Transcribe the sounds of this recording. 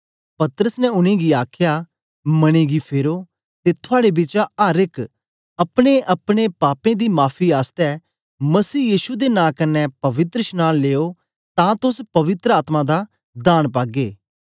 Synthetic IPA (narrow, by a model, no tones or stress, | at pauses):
pɐt̪ɾəsnɛʊnẽːɡiaːkʰja | mɐɽ̃ẽːɡipʰeːɾoː | t̪et̪ʰʊaːɽebɪt͡ʃaaːɾɪk | ɐpɽ̃eʔɐpɽ̃epaːpẽːd̪iːmaːpʰiaːst̪ɛ | mɐsiːjiːʃud̪enãːkɐnːɛpɐʋɪt̪ɾəʃnaːleːoː | t̪ãːt̪ʊspɐʋɪt̪ɾəaːt̪mãd̪a | d̪aːnpaːɡeː